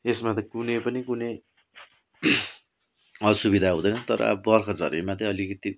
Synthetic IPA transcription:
esmat̪kunejpʌnikune | ʌsubid̪ʱaɦũd̪ʌjnʌnt̪ʌɾʌ̰a̰bʌrkʰʌd͡zʌ̰ɾemat̪iʌlikʌt̪i

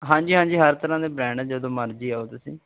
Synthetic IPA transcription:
ɦãːd͡ʒiːɦãːɲd͡ʒiːɦəɾt̪əɾãːd̪eːbɾɛ̃ːɳɖd͡ʒəd̪õːməɾd͡ʒiːaːot̪ʊsḭ̃ː

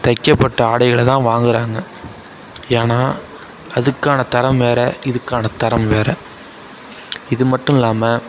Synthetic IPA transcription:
t̪ɐkːɐpːɐʈːɐaːɽɐɪɣɐɭt̪ãːʋaːŋɡɪɾaːŋɡɐ | eːnaː | ɐðɯkːaːnɐt̪ɐɾɐmʋeːɾɛɪðɯkːaːnɐt̪ɐɾɐmʋeːɾɐ | ɪðɯmɐʈːɯ̃ɪlːaːmɐ

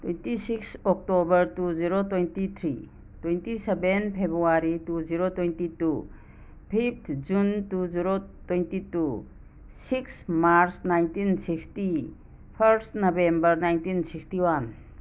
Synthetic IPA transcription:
twejntisiksɔk̚tobəɾtuziɾotwejntit̪ʰɾḭ | twejntisebenpʰebɾuaɾituziɾotwejntitu | pʰip̚t̪ʰd͡ʒuntuziɾotwejntitu | siksmaɾsnajntinsiksti | pʰəɾsnɔbembəɾnajntinsikstiwan

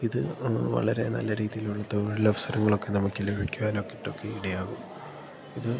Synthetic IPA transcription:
iðɨʋɐ̰ɭɐɾe̞̰nɐ̰lːɐɾiːðijiluɭːɐt̪oʋɽilɐʋɐsɐɾɐŋːɐɭo̞kːe̞nɐmːɐɭt͡ɕːilubikʲːuʋaːnokːiʈːo̞kːe̞iɽɐjaːɣum | iðɨ

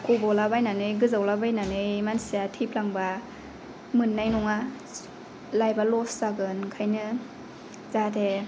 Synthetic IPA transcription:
kubɔlabajnanɯjɡɯzawlabajnanɯjmansiatʰiplaŋba | mɯnːajnɔŋa | lajbalɔsaɡɯnkʰajnɯ | zatʰe

